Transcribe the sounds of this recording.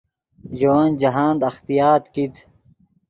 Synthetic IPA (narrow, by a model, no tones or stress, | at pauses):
d͡ʑowand͡ʑɐɦaːnd̪ɐxt̪ijaːt̪kit̪